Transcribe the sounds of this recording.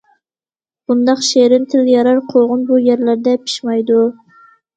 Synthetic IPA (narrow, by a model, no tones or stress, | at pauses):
b̥und̪ɑqʃeɾɪnt̪ʰɪljɑɾɑɾqʰolˠʁʊnbujɛɾlæɾd̪ɛpʰi̥ʃmɑjd̪u